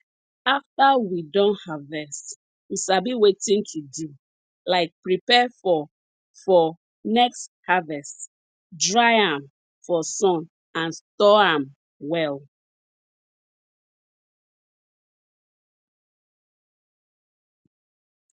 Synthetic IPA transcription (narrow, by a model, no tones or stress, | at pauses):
aftawidɔ̃nhavɛst | wiʃabiwetĩntʰudu | laɪk̚pɹipɛfɔ | fɔ | nɛksthavɛst | dɹaɪãm | fɔsɔ̃n | ãnstɔãm | wɛl